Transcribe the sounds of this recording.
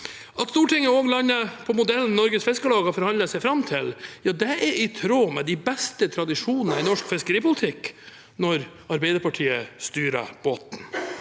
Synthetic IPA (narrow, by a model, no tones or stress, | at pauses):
ʔɑt̪st̪uːʈɪŋːəoːɡlɑnːəpʰɔmʊd̪ɛln̩ːɔɾɡəsfɪskəlɑːɡɑfɔɾhɑnəsɛɪfɾɑmt̪ʰɪljɑːd̪ɛʔɛɾɪt̪ʰɾoːmɛd̪ɪbɛst̪ət̪ʰɾɑd̪ɪʂuːnənəɪnɔʂkfɪskəɾiːpʊlɪt̪ʰɪk | nɔɾ | ɑɾbɛɪd̪əɾpʰɑʈʰiːəst̪yːɾə̰b̥oːt̪n̩